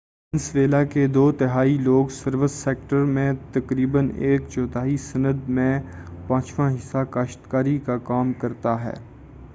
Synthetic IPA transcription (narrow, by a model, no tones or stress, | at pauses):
ɪnsʋeːlaked̪oːt̪ɪɦaːiloːɡsɐɾʋɪsːeːk̚ʈəɾmẽt̪ɐkɾiːbəneːkt͡ʃɔːt̪ʰaːisɐnəd̪mẽpãːt͡ʃʋãɦɪsakaːʃt̪kaːɾikakaːmkɐɾt̪aɦɛ̰ː